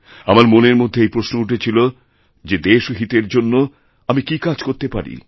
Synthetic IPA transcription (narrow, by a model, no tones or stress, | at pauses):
amaɾmoneɾmod̪ʱːeejpɾoʃnouʈʰet͡ɕʰilo | d͡ʑed̪eʃɦit̪eɾd͡ʑonːo | amikikad͡ʑkoɾt̪epaɾḭ